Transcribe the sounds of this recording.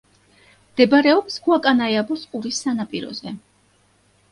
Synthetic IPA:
md̪̥ɛbɾɛɔpsɡuakʼanajabɔsʼqʼuɾisːanapʼiɾɔ̰zɛ

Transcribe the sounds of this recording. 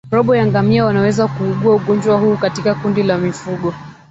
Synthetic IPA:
ɾɔɓɔjaŋɡamiawanawɛzakuɠuauɠɔnd͡ʒwahuːkatikakundilamifuɠɔ

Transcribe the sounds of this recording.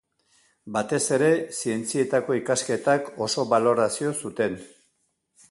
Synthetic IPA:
bat̪e̞se̞ɾe̞sie̞nt͡sie̞t̪ako̞ikaske̞t̪ako̞so̞βalo̞ɾasio̞sut̪e̞n

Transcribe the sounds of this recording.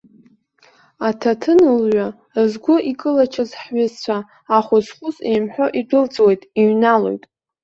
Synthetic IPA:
atʰatʰɨnɨlɥʷa | zɡʷʊʔikʼɨlat͡ʃʰazħɥɪzt͡ɕʷʰaː | χʷʊsχʷʊsḛjmħʷᶣoʔidʷʊlt͡sʼwe̞jtʼiɥnalo̰jtʼ

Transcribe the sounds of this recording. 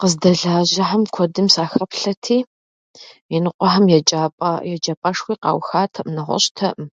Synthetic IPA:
qəzdɐɮaːʑɐħamkʷʰɔdɨmsaːxɐpɬɐtʰiː | jɛnɨqʷʼɔħamjɛt͡ʃʼapʼjɛt͡ʃʼɐpʼɐʂxʷiːqɑ̰ːwxaːtʰɐʔnɐʁʷɔ̰ɕʼtʰɐʔm

